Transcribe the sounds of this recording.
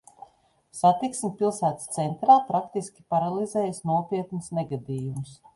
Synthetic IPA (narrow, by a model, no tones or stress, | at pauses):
sat̪iksmʲipilˠsæːt̪st̪sɛnt̪ɾaːpɾakt̪iskʲi̥paɾalˠizɛːjasnuɔpiɛt̪nusneɡad̪iːjumus